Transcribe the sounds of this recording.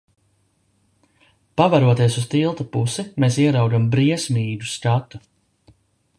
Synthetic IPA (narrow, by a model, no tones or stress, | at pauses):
pavaɾuɔt̪iɛsust̪ilˠt̪apusimeːsiɛɾawɡambɾiɛsmiːɡuskat̪u